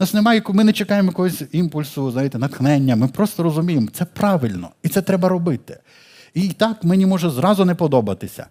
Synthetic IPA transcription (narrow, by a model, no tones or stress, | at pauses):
nɑsnemɑjɐkumɪnɛt͡ʃekɑjemɔjɐkɔɦɔsʲimpʊlʲsʊznajɪt̪ɛnɐt̪xnɛnʲːɐmɪpɾɔst̪ɔɾɔzʊmʲijemt̪sɛpɾɑʋɪlʲnɔ̰it̪sɛt̪ɾɛbɐɾɔbɪt̪ɪ̥ | it̪ɑkmɛnʲimɔʒɛzɾɑzʊnɛpɔd̪ɔbɐt̪ɪsʲɐ̰